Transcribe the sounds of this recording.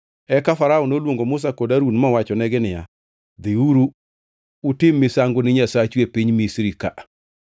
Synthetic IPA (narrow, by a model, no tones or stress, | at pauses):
ɛkafaɾaɔnolwoŋɡomʊs̬akodaɾunmɔwat͡ʃɔnɛɡɪnɪja̰ | ðɪuɾu | utɪmːɪsaŋɡʊnɪɲasat͡ʃuepiɲmisɾika